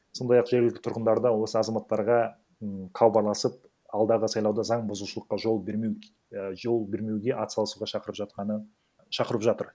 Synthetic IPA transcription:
so̞nd̪ɑjɑqʒ̥eɾɡʲɪlɪk̚t̪ɪt̪ʰʊɾqənd̪ɑɾd̪ɑwo̞səɑzɑmɑt̪ːɑɾʁɑ | qʰɑwbɑɾlˠɑsəp̚ | ɑlˠd̪ɑʁəsɑjlˠɑwd̪ɑzɑɴbʊzuʃəlˠəqːɑʒo̞lˠbme | ʒolˠbe̞ɾme̞wɡʲe̞ʔɑt̪sɑlˠəsuʁɑʃɑqəɾəpʒɑt̪̚qɑnə | ʃɑqəɾəpʒɑt̪əɾ

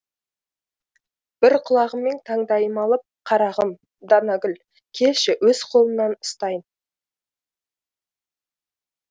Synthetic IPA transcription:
b̥ɪɾqʰʊlˠɑʁəmːe̞nt̪ʰɑŋd̪ɑjəmɑlˠəp̚qʰɑɾɑʁəm | d̪ɑnɑɡʲʏl | kʲʰe̞lʃɪwɵz̥qʰo̞lˠənːɑnʊst̪ɑjən

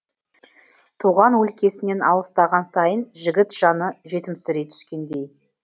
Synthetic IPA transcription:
t̪ʰuʁɑnwɵlkʲe̞sɪne̞nɑlˠəst̪ɑʁɑnsɑjənʒɪɡʲɪt̪ʒ̥ɑnəʒe̞t̪ɪmsɪɾet̪ʰʏ̥skʲe̞nd̪e̞j

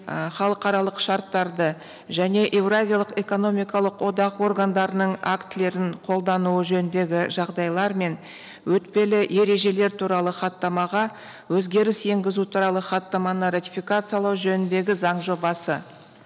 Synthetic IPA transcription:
χɑlˠəqɑɾɑlˠəqʃɑɾt̪ːɑɾd̪ə | ʒæne̞ʔe̞vrazʲijalˠəqe̞ko̞no̞mʲijkɑlˠəqwo̞d̪ɑqwo̞rɡand̪ɑɾənəɴakt̪ɪle̞ɾɪɴqʰo̞lˠd̪ɑnuəʒɵnɪnd̪e̞ɡʲɪʒɑʁd̪ɑjlˠɑɾme̞n | wɵt̪pe̞lɪʔe̞ɾe̞ʒe̞le̞ɾt̪ʰuɾɑlˠəχɑt̪ːɑmɑʁɑ | wɵzɡʲe̞ɾɪse̞ŋɡʲɪzut̪ʰuɾɑlˠəχɑt̪ːɑmɑnərat̪ʲi̥fʲijkat̪sɨjɑlˠɑwʒɵnɪnd̪e̞ɡʲɪzɑɴʒo̞bɑsə

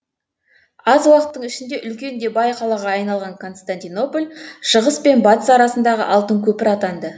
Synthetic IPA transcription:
ɑzwɑqət̪ːəɴɪʃɪnd̪e̞ʔʏlkʲe̞nd̪e̞bɑjqʰɑlˠɑʁɑɑjnɑlˠʁɑŋkʰo̞nst̪anʲt̪ijno̞polʲʃəʁəspe̞nbɑt̪əsɑɑɾɑsənd̪ɑʁə̰ʔɑlˠt̪əɴkʲʰɵpɪɾɑt̪ɑnd̪ə

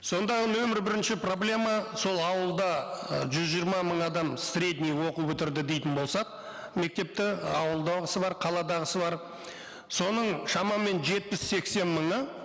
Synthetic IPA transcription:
so̞nd̪ɑənɵmɪɾbɪɾɪnʃɪpro̞blʲe̞mɑso̞lˠɑwəlˠd̪ɑʒʏzʒijːɾmɑməɴɑd̪ɑmsɾʲe̞d̪nijwo̞qubɵt̪ɪɾd̪ɪd̪e̞jt̪ɪnbo̞lˠsɑq̚ | me̞k̚t̪e̞p̚t̪ɪɑwəlˠd̪ɑʁəsəbɑɾqʰɑlˠɑd̪ɑʁəsəbɑɾ | so̞nəɴʃɑmɑme̞nʒe̞t̪̚pɪsːe̞kse̞nməɴə

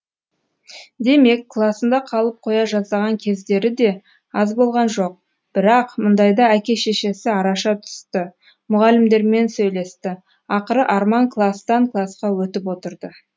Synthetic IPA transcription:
d̪e̞me̞kːlˠasənd̪ɑqʰɑlˠəp̚qʰo̞jɑʒɑsɑʁɑŋkʲʰe̞zd̪e̞ɾɪd̪e̞ | ɑzbo̞lˠʁɑnʒo̞q̚ | b̥ɪɾɑqmʊnd̪ɑjd̪ɑækʲe̞ʃe̞ʃe̞sɪɑɾɑʃɑt̪ʰʏ̥st̪ɪ | mʊʁɑlɪmd̪e̞ɾme̞nsɵjle̞st̪ɪ | ɑqəɾəʔɑɾmɑŋklˠast̪ɑŋklˠasqɑwɵt̪ɪp̬wo̞t̪əɾd̪ə

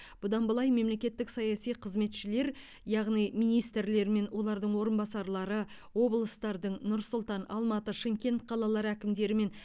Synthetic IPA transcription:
b̥ʊd̪ɑnbəlˠɑjme̞mle̞kʲe̞t̪ːɪksɑjɑsijqʰəzme̞t̪ʃɪle̞ɾ | jɑʁnijmijnijst̪ɾle̞ɾme̞nwo̞lˠɑɾd̪əɴwo̞ɾənbɑsɑɾlˠɑɾə | wo̞blˠəst̪ɑɾd̪əɴnʊɾsʊlˠt̪ɑnɑ̰lˠmɑt̪əʃɪŋkʲe̞nt̪̚qʰɑlˠɑlˠɑɾækʲɪmd̪e̞ɾɪme̞n

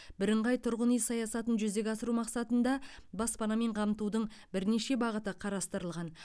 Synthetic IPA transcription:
bɪɾɪɴʁɑjt̪ʰʊɾʁənijsɑjɑsɑt̪ənʒʏzd̪e̞ɡʲɑsəɾumɑqsɑt̪ənd̪ɑbɑspɑnɑme̞ɴqʰɑmt̪ud̪əɴ | bɪɾne̞ʃe̞bɑʁət̪əqʰɑɾɑst̪əɾəlˠʁɑn

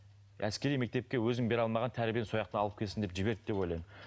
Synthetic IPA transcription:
æ̰skʲe̞ɾijme̞k̚t̪e̞p̚kʲe̞wɵzɪŋbe̞ɾɑlˠmɑʁɑnt̪ʰæɾɪbenso̞jɑq̚t̪ənɑlˠəp̚kʲʰesɪnd̪e̞pʒɪbe̞ɾd̪ɪd̪epojlˠɑjmən

